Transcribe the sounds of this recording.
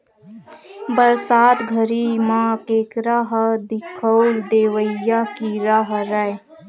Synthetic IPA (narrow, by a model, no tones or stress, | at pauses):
bəɾsaːt̪ɡʱəɾimãkeːkɾaɦəd̪ɪkʰəwld̪eːʋəjakiɾaɦɾəe